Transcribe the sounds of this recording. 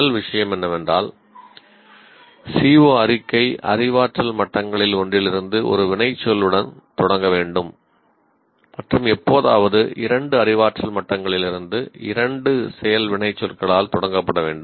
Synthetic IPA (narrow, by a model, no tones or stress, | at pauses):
ɐlʋɪʂɐjɐmɛnːɐʋɛndra̰ːl | siːʋoːɐrɪkːɐɪʔɐ̰rɪʋaːʈrɐlmɐʈːɐŋɡɐɭɪlɔɳdrɪlɪɾɯnd̪ɯʔɔ̰ɾɯʋɪɳɐɪt͡ʃːɔlɯɽɐnt̪ɔɽɐŋɡɐʋeːɳɖɯm | mɐʈrɯmɛpːoːða̰ːʋɐðɯʔɪɾɐɳɖɯɐrɪʋaːʈrɐlmɐʈːɐŋɡɐɭɪlɪɾɯnd̪ɯɪ̰ɾɐɳɖɯsɛjɐlʋɪɳɐɪt͡ʃːɔlkɐɭaːlt̪ɔɽɐŋɡɐpːɐɽɐʋḛːɳɖɯm